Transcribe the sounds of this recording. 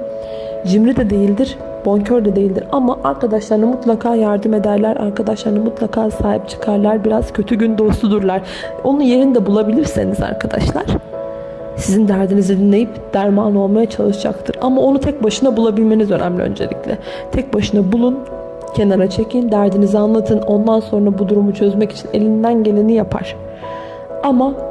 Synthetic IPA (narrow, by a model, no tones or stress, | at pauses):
d͡ʒimɾid̪ɛd̪e̞jilʲd̪iɾ̥ | b̥o̞ɲcʰøɾd̪ɛd̪e̞jilʲd̪iɾamaʔaɾkad̪aʃlˠaɾɯnamut̪lˠakʰaːjaɾd̪ɯme̞d̪æɾlʲæɾa̰ɾkʰad̪aʃlˠaɾɯnamut̪ʰlˠakʰaːsaːɦip̚t͡ʃʰɯ̥kʰaɾlˠaɾbiɾaz̥cʰø̞t̪ʰyɟynd̪o̞st̪ud̪uɾlˠaɾ̥ | o̞nunje̞ɾinid̪ɛbulˠabilʲiɾsḛniza̰ɾkʰad̪a̰ʃlˠa̰ɾ̥ | sizind̪æɾd̪inizid̪inlʲe̞jipd̪̥æɾmaːno̞lˠmajat͡ʃʰalˠɯʃd͡ʒa̰kt̪ʰɯɾamao̞nut̪ʰɛc̚baʃɯnabulˠabilʲme̞nizønæ̰mlʲḭø̰nd͡ʒelʲḭclʲɛ̰ | t̪ʰɛc̚baʃɯnabulˠun | cʰe̞naɾat͡ʃʰe̞cʰind̪æɾd̪inizianlˠat̪ʰɯno̞nd̪anso̞nɾabud̪uɾumut͡ʃʰø̞zmɛci̥t͡ʃʰine̞̰lʲind̪ænɟe̞lʲenijapʰa̰ɾ̥ | ama